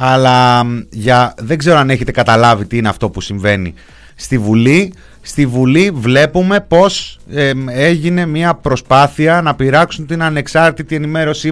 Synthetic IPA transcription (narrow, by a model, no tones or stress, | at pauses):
ɐlɐʝɐðe̞ɡze̞ɾo̞ɐne̞çe̞t̪ekɐt̪ɐlɐvit̪iineɐft̪o̞pusiɱve̞nḭ | st̪ivuli | st̪ivulivle̞pume̞po̞s | e̞ʝine̞miɐpɾo̞spɐθiɐnɐpiɾɐksunt̪inɐne̞ksɐɾt̪it̪ie̞nime̞ɾo̞si